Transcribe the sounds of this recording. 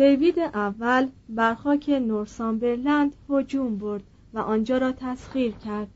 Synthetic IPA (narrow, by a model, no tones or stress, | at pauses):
t̪ʰejviːd̪eʔævːælbæɾxɒːcʰe̞noɾsɒːmbe̞ɾlænd̪hod͡ʒuːmboɾd̪̥ | væʔɒːnd͡ʒɒːɾɒːt̪ʰæsɣiːɾcʰæɾd̪̥̚